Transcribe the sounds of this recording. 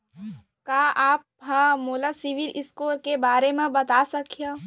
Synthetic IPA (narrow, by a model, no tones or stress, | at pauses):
kaːaːp̚ɦãmoːlasɪʋɪlʔɪskoːɾkebaːɾemẽbɐt̪asɐkʰijaː